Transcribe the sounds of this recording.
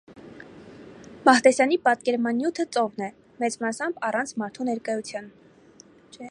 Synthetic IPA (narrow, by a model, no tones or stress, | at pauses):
mɑht̪ɛsjɑnipɑt̪kɛɾmɑnːjut̪ʰət͡sɔvnɛ | mɛt͡smɑsɑmbɑrɑnt͡sʰmɑɾt̪ʰunɛɾkɑjut͡sʰjɑn